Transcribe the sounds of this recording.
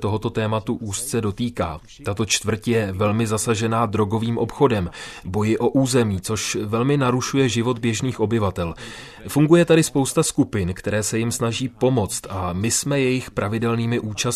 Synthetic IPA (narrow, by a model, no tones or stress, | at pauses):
t̪o̞ɦo̞t̪o̞t̪ɛːmat̪uʔuːst̪t͡sɛdo̞t̪iːka̰ː | t̪at̪o̞t͡ʃt̪vr̩cjɛvɛlmɪzasaʒɛnaːd̪ɾo̞ɡo̞viːmʔo̞pxo̞dɛmbo̞jɪʔo̞ʔuːzɛmiːt͡so̞ʃvɛlmɪnaɾuʃujɛʒɪvo̞d̪̚bjɛʒniːxʔo̞bɪvat̪ɛl | fuŋɡujɛt̪adɪspowst̪askupɪnkt̪ɛɾɛːsɛjɪmsnaʒiːpo̞mo̞t͡st̪ʔamɪsmɛjɛjɪxpɾʔavɪdɛlniːmɪʔuːt͡ʃas